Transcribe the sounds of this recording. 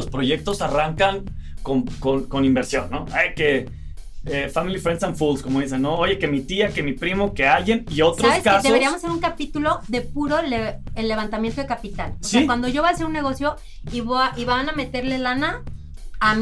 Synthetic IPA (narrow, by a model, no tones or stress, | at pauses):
ospɾo̞ʝe̞k̚t̪o̞saraŋkaŋkonkonko̞nĩmbe̞ɾsjo̞nːoajke | efamilifɾensanfulsko̞mo̞ðise̞nːooʝe̞ke̞mit̪iake̞mipɾimo̞ke̞ajenio̞tsɾoβseskasdeoeɾiamose̞ɾuŋkapit̪ulo̞ðe̞puɾo̞leelːe̞βant̪amjent̪oekapit̪aloseakwand̪o̞ʝo̞βoase̞ɾunːe̞ɣ̞o̞sjo̞ | iβoiβaname̞t̪e̞ɾle̞lanaː | m